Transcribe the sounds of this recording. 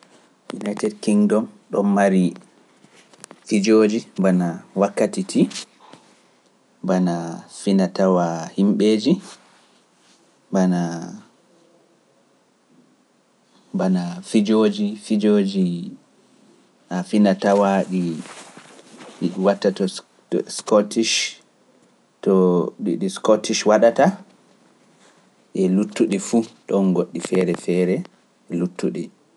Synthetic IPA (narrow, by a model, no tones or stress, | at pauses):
jṵnajtɛdkiŋdɔnɗɔmmaɾi | fid͡ʒoːd͡ʒibanawakːatitʰi | banafinatawahimɓeːd͡ʒi | bana | banafid͡ʒoːd͡ʒifid͡ʒoːd͡ʒi | ʔafinatawaɗi | ɗiɗiwatːatɔ | skɔtiʃ | tɔɗiɗiskɔtiʃwaɗata | ʔɛlutːuɗifuɗɔnɡoɗːifɛɾɛfɛːɾɛ | ɛlutʰːuɗi